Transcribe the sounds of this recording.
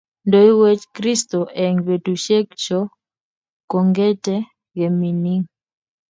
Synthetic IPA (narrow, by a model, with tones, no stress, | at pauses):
ndo˨i˦we˦t͡ʃkɾi˦sto˨ʔɛ˨ŋbe˨tu˨ʃe˦kt͡ʃɔ˦ | ko˨ŋɡɛ˦tɛ˦ | ɡe˨mi˨ni˦ŋ